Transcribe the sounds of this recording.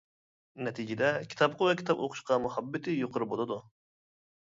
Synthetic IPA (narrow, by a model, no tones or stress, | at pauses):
nɛt̪ʰid͡ʒɪd̪ɛkʲʰi̥t̪ʰɑpqʰʊvɛkʲi̥t̪ʰɑpo̰qʰʊ̥ʃqʰɑmuhɑbːɪt̪ʰɪjoqʰʊɾɨbolˠɨd̪u